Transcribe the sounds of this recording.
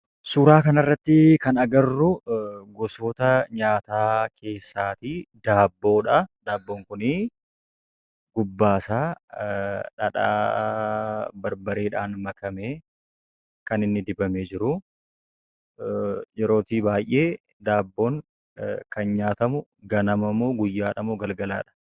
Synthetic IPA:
suːɾaːkɐnɐrːɐt̪ːɪkɐnɐɡɐrːʊɡɔsoːt̪ɐɲaːt̪aːkʰe̞ːsːaːt̪iːd̪aːbːo̞ːᶑɐd̪aːbːo̞ːŋkʊni | ɡ̥ʊbːaːsaː | ᶑɐᶑa̰ː | bɐɾbɐɾe̞ːᶑaːnmɐkɐmeː | kɐnɪnːɪd̪ɪbɐmeːd͡ʒɪɾʊ | jɛɾo̞ːt̪iːbaːjʔeː | d̪aːbːo̞ːŋ | kɐnɲaːt̪ɐmʊ | ɡɐnɐmɐmoːɡʊjːaːᶑɐmʊɡɐlɡɐla̰ːᶑɐ̥

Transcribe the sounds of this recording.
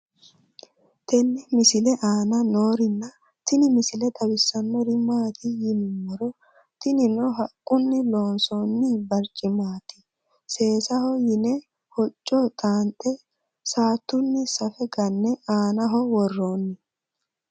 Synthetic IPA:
t̪ɛnːɪmɪsɪlɛʔaːnɐnoːɾɪnːɐ | t̪ɪnɪmɪsɪlɛt̪ɐbɪsːɐnːɔɾɪmːaːt̪ɪjɪnɪmːɔɾɔ | t̪ɪnɪnɔɦɐkʼːʊnːɪlo̞ːnsonːɪbɐɾt͡ʃʼːɪmaːt̪ɪ̥ | se̞ːsɐhɔjɪnɛ | hɔt͡ʃʼːɔt̪ʼaːnt̪ʼɛ | saːt̪ːʊnːɪsɐfɛɡɐnːɛʔaːnɐɦɔwɔrːoːnːɪ

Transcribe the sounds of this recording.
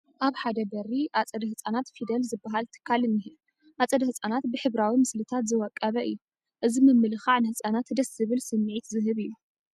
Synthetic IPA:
ʔaβħad̪ɐbɐriʔat͡sʼɐd̪ɐhɨsʼanat̪fid̪ɐlzɨbːaɦalt̪ʰɨ̥kʰːalɨnːiɦi | ʔat͡sʼɐd̪ɐhɨt͡sʼanat̪bɨħɨβɾawimɨslɨt̪ʰat̪zɨwɔkʼːɐβɐʔɨ̰jːu | ʔɨzimɨmːɨlɨxaʕnɨhɨsʼanat̪d̪ɐszɨβɨlsɨmːʕit̪zɨɦɨβɨjːu

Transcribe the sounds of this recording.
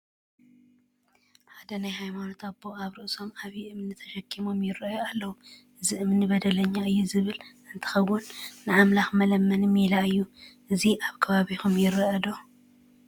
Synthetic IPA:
ħad̪ɐnajhajmano̞t̪ʰaboaβɾɨʔso̞maβjiʔɨmɨnɨt̪ʰɐʃɐkʰːimo̞mjɪrːɐjoalːɐwuʔɨziʔɨmɨnːbɐd̪ɐlɐɲːaɨjːuzɨβɨlʔɨnt̪ʰɨ̥xɐwːʊnːɨʕamlaxmɐlɐmːɐnmilaɨjːuʔɨziʔaβkʰɐβaβixumjɪrːɐɐd̪o

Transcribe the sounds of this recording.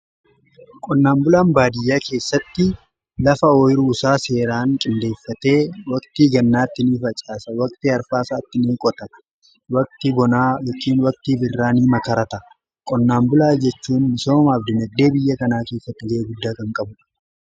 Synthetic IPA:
kʼɔnːaːmbʊlaːmbaːd̪ɪjːaːkʰe̞ːsːɐt̪ːɪ | lɐfɐɔjɪɾuːsaːse̞ːɾaːŋkʼɪnd̪e̞ːfːɐt̪e̞ːwɐkt̪iɡɐnːaːt̪ːɪniːfɐt͡ʃʼaːsɐwɐkt̪ɪɐɾfaːsaːt̪ːɪniːkʼɔt̪ɐɐ̥ | wɐk̚t̪ɪbɔnaːjɔkʼiːnwɐk̚t̪iːbɪrːaːniːmɐkɐɾɐt̪ɐ | kʼɔnːaːmbʊlaːd͡ʒɛt͡ʃːuːnːɪsoːmɐːbd̪ɪnɐd̪ːe̞ːbɪjːɐkɐnaːke̞ːsːɐt̪ːɪɡɐʔeːɡʊd̪ːaːkɐŋkʼɐbʊ

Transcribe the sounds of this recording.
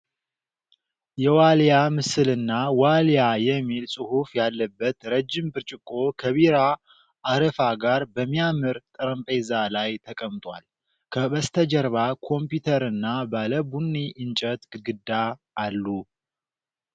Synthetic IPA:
jɛwaljamɨsɨlɨnːawaljajɛmːilsʼɨhufjalːəbːət̪ɾəd͡ʒːɪmbɨɾt͡ʃʼɪkʼːo̞kʰəβiɾa | aɾəfaɡaɾbəmːijamɨɾt̪ʼɨɾəmpʼezalajt̪ʰəkʼəmt̪ʼwa̰l | kʰəβəst̪ʰəd͡ʒəɾβakʰo̞mpjut̪ʰəɾɨnːabaləbunːiʔɨnt͡ʃʼət̪ɡɡɨd̪ːaʔːlːu

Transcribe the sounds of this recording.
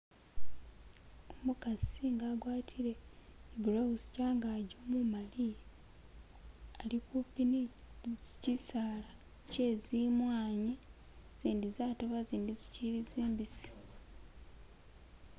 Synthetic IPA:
omukasiŋɡaːɡwaːtʰiɾe̞ibuɾowusi̥caːŋɡaːɟomumali | alikupini | zicisaːla | ce̞ːzimwaːɲi | z̥iːndizaːtoβaziːndiziciɾizeːmbisi̥

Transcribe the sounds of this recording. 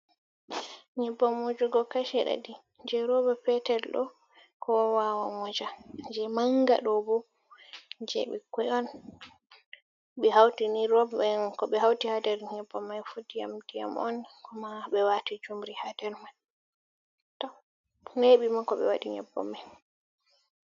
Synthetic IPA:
ɲɛbːɔmud͡ʒuɡɔkaʃɛɗa̰di | ɲd͡ʒɛɾɔbɔpɛtɛlɗɔ̰ | kɔwawamɔd͡ʒad͡ʒɛmaŋɡa̰ɗɔbɔ | ɲd͡ʒɛ̰ɓɛ̰kɛɔn | ɓɛɦawtiniɾɔbɛkɔɓɛɦawtihadɛɾɲɛbːɔmːajfudija̰mdija̰mɔ̰nkɔmaɓɛwatid͡ʒumɾihadɛɾman | tɔ | neɓimakɔɓɛ̰waɗiɲɛ̰bːɔ̰mːan

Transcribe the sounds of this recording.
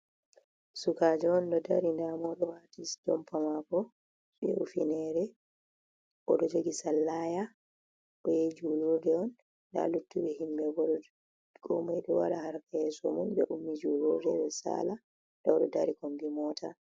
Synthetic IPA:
sukad͡ʒɔɔndɔdaɾindamɔɗɔwatisdɔmpʰamakɔ | ɓɛ̰ṵfinɛɾɛ | ʔɔ̰ɗɔd͡ʒoɡisalːaja | ɓɔjed͡ʒulodɛɔnː | da̰lutːuɓɛhimbɛbɔɗ | ɡɔmajɗɔwa̰ɾahaɾkɛɛsɔmunbɛʔumːid͡ʒulodɛɓɛsa̰la | dɔwɗɔ̰daɾikombimɔːtʰa

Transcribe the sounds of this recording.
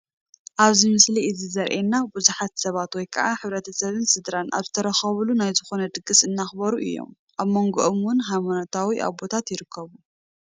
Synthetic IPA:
ʔaβzimɨsliʔɨzizɐɾʔenːabuzuħat̪sɐβat̪wɔjkʰɐʔaħɨβɾɐt̪ʰɐsɐβɨnsɨd̪ɾanʔa̰βzɨt̪ʰɐɾɐxɐβulunajzɨxo̞nɐd̪ɨɡɨsɨnːaxbɐɾuʔɨ̰jːo̞̰m | ʔaβmo̞ŋɡoʔomwʊnɦajmanot̪ʰawiʔa̰βo̞t̪ʰat̪jɪɾɨkʰːɐβu

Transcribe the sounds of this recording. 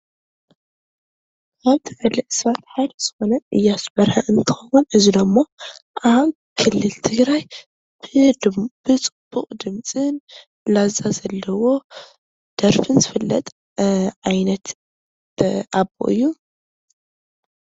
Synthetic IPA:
aβt̪ʰɨħɨliʔɨsɾat̪ħajd̪ɐz̥ɨ̥xo̞nɐʔɨjːasbɐɾħɐʔɨnt̪ʰxɐwunɨzid̪ɐmːoʔa | kʰɨlːɨlt̪ʰɨɡɾaj | b̥ɨb̥ɨt͡sʼɨb̥ːuqʼd̪ɨmt͡sʼɨn | lazazɐlːɐwo̞ | d̪̥ɐɾfɨnzɨfɐlːɐ̰t̪ʼ | ʕajnɐt̪ | ʔabo̰ʔɨ̰jːu

